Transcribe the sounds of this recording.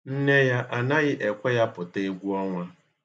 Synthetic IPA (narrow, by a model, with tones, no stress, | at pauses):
n̩˦ne˦ja˦ʔa˨nã˦jɪ˦ʔɛ˨kʷɔ˦ja˦pʊ˨te˦˨ɡʷu˦ɔ˦ŋʷa˦